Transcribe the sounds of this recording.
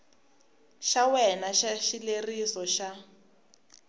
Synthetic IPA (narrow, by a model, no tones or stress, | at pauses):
ʃawɛnaʃaʃilerisɔʃa